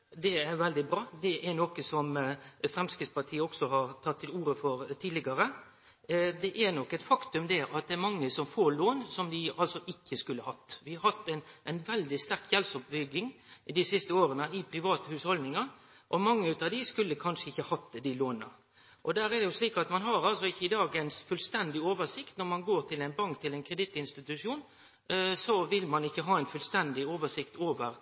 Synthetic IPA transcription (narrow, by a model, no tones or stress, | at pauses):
d̪ɛæɾʋɛld̪ɪbɾɑːd̪ɛʔæɾnɔkəsɔmfɾɛmskɾɪt̪spɑʈ̪ʰiːəɔksɔɦɑɾt̪ʰɑt̪ʰːɪluːɾəfɔɾt̪ʰiːdlɪɡɑɾə | d̪ɛʔæɾnɔkːɛt̪fɑkt̪ʉmd̪ɛʔɑt̪̚d̪ɛæɾmɑŋːəsɔmfoːɾloːnsɔmd̪ɪɑlsɔʔɪkːəskʉlːəhɑt̪ːʋɪhɑɾhɑt̪ːɛnʔæɪnʋɛld̪ɪst̪æɾkʰjɛlsɔpbʏɡɪŋd̪ɪsɪst̪əoːɾənəɪpʰɾɪʋɑːt̪əhʉːshɔld̪nɪŋɑɾ | ʔɔmɑŋːəʉːt̪ɑd̪ɪskʉlːəkʰɑnʂəɪçːəhɑt̪ːd̪ɪloːnə̰ | ʔɔd̪æːɾɛd̪ɛjʊsliːkɑt̪mɑnɦɑɾɑlsɔɪçːəɪd̪ɑːɡənsfʉlst̪ɛnd̪ɪoːʋəʂɪkt̪nɔɾmɑnɡoːɾʈ̪ʰɪlɛɪnbɑŋkt̪ʰɪlɛɪnkʰɾɛd̪ɪt̪ːɪnst̪ɪt̪ʉʂuːn | sɔʋɪlmɑnɪçːəɦɑːɛɪnfʉlst̪ɛnd̪ɪoːʋəʂɪkt̪oːʋəɾ